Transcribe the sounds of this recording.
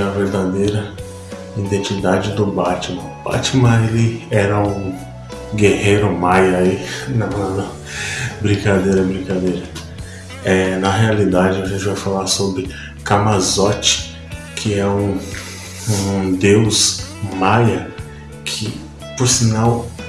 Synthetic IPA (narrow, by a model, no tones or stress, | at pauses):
ɐveɾd̪ad̪ejɾɐ | ĩd̪ẽnt͡ʃid̪ad͡ʒɪd̪ʊbat͡ʃɪmɐ̃ʊba̰t͡ʃimɐ̃elɪɛɾɐũ | ɡehejɾʊmajɐinɐɐ | bɾĩkad̪ejɾɐbɾĩkad̪ejɾɐ | ɛnɐɦealid̪ad͡ʒɪaʒẽnt͡ʃɪvajfalaɾsobɾɪ | kamazɔt͡ʃɪ̥ | kʰɪɛũ | d̪ews | majɐ | kʰɪ | poɾsinaw